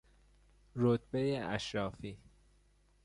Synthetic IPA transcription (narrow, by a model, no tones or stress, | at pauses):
ɾot̪bejeʔæʃɾɒːfiː